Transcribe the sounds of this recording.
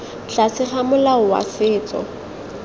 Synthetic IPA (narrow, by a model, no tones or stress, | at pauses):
ɬasɪχamʊlaʊwa̰sɪːt͡sʼɔ̰